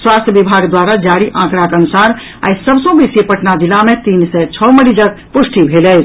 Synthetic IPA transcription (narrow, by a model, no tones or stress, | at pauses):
swast̪ʰjəbibʱaɡd̪waɾad͡ʒaɾiʔãkɾakənusaɾ | a̰jsəbsə̃bisipəʈnad̪ilamet̪insɛt͡ʃʰɔmənid͡ʒəɡ̚ | pusʈibʱelɛɪt͡ʃʰ